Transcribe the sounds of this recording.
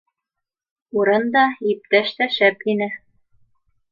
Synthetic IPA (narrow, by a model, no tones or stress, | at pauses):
uɾɤnd̪ɑip̚t̪æʃt̪æʃæpinɘ